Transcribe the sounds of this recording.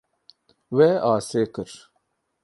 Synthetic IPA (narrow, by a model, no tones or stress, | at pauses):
weːaːseːkɨɾ